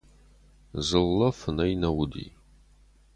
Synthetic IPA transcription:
zɨlːɐfɨnɐjnɐwʊd̪ḭː

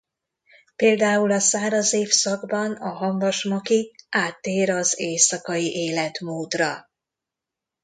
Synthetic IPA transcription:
peːld̪aːulɒsaːɾɒzeːfsɒɡbɒnɒɦɒɱvɒʃmɒkiaːt̪ːeːɾɒzeːsɒkɒjiʔeːlɛt̪moːd̪rɒ

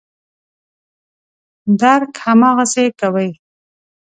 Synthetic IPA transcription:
d̪aɾkhamɑɣasekawəj

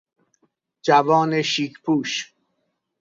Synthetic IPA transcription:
d͡ʒævɒːneʃiːkʰpʰuːʃ

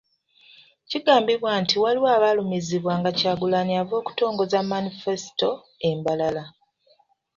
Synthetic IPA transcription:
ciɡaːmbiβwaːntiwaliwaːβalumiziβwaːŋɡacaːɡulaniavo̞ːku̥to̞ːŋɡo̞zamːanife̞si̥to̞ | embalala

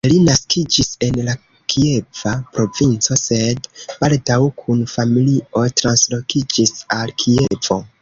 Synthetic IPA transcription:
linaskid͡ʒise̞nla | kʰie̞vapɾo̞vint͡so̞se̞db̥aldawkʰunfamiliʔo̞tɾanslo̞kid͡ʒisalkʰievo̞̰

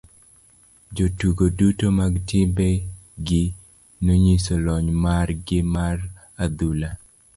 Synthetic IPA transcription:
d͡ʒotuɡodutomaɡtɪmbɛ | ɡɪ | noɲisolɔɲmarɡɪmar | ad̪ula

